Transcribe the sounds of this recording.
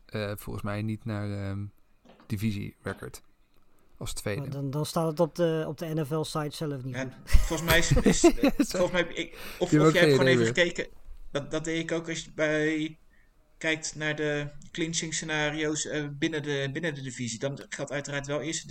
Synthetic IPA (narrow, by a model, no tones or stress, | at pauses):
əfɔ̰lˠχənsmɛjnitnaːɹə | d̥ivizḭɹɛkə̰ɹt | ɑstʋejddndɑnstaːtətɔp̚dəɔ̰p̚dəɛnɛfɛlˠsajtsɛləfniafɔlˠəsmɛjsɪsɔlˠχəsmɛjɛjɔfjəɛəonejvəχəkejkəddɑt̚dejɪkowkɑsjəbɛj | kɛjk̚tnaːɹdəklɪnsɪŋsenaːriowsəbɪnədəbɪnədədivizidɑnχɛlˠtœɥtəraːɹtʋɛlˠɪəɹstə